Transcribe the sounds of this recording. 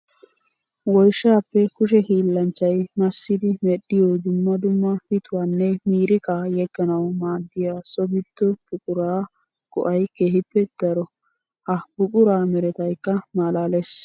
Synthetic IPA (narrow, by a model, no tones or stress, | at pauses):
wɔjʃːaːpːɛkʊʃ̬ɛhiːlːɐnt͡ʃːɐjmɐsːɪd̪ɪmɛɗːɪjoːd̪ʊmːɐd̪ʊmːɐhɪt̪ʊwaːnːɛmiːɾɪkaːjɛɡːɐnɐwmaːd̪ːɪjaːsɔbɪt̪ːɔb̥ʊkʼʊɾaː | kɔ̰ʔɐjkeːhɪpːɛd̪̥ɐɾɔ | hɐbʊkʼʊɾaːmɛɾɛt̪ɐjkːɐmaːlaːlɛs